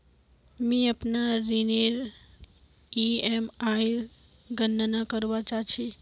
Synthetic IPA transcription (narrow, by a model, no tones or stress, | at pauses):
miəpnaɾineɾ | iemajɾ | ɡənːənakəɾʋat͡ʃat͡ʃʰe